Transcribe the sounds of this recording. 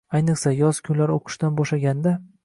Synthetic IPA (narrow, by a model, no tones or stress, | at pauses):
ajnɨχsajɒz̥kʲʰʊnlaɾoqʰɨ̥ʃt̪anbɒʃlaɡʲand̪a